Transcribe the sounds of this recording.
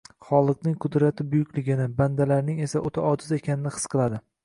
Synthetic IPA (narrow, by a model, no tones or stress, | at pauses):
χɒlˠɨqnɪŋqʰʊd̪ɾat̪ʰɪbʊjʊkʲlɪɡʲɪnɪband̪alaɾnɪŋe̞saʔot̪ʰaɒd̪ɪze̞kʲʰanɪnɪhɨ̥sqʰɨlˠad̪ɪ